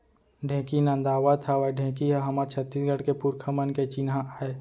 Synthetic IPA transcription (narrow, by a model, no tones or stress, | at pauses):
ɖʱẽːkinə̃nd̪aːʋat̪ʰaʋaɖʱẽːkiɦaɦɐmaɾt͡ʃʰət̪ːiːsɡəɽkepuɾkʰəmənket͡ʃinɦãʔaːe